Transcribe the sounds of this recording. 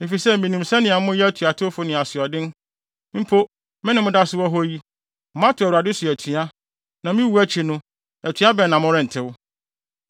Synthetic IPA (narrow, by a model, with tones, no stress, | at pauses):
e˨fi˨sɛ˦mĩ˨nũ˨msɛ˦nɪ̃˨a˨mʊ̃˦jɛ˦tʰu˨a˨tʰʊ˦fʊ˦nɪ̃˨a˨sɪ˨ɔ˨dɪ̃˦n | m̩˦pʰo˦ | mɪ̃˦nɪ̃˨mʊ̃˦da˦sʊ˦wɔ˦ɦɔ˦ji˦ | m̩˦ã˦tʰʊ˨æ˨wa˨dɪ˦sʊ˨æ˨tʰu˨a˦ | nã˨mĩ˦wu˦æ˦t͡ɕʰi˨nʊ̃˦ | æ˨tʰɥa˦bɛ˨nã˨mʊ̃˦ɾɪ̃˨n̩˨tʰɪ˦wʊ˦